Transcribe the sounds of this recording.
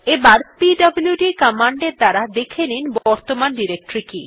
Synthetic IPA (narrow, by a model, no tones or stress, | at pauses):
ebaɾpiɖʌbljuɖikɔmaɳɖeɾd̪aɾad̪ekʰeninbɔɾt̪omanɖiɾek̚ʈɾiki